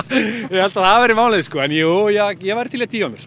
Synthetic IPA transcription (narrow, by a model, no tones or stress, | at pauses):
jɛhɛlt̪aðθavɛɾɪmaːwlɪðskɔːɛnjuːjɛɣjɛɣvajɾ̥t̪ʰɪljat̪ʰiːɔnːʏɾ̥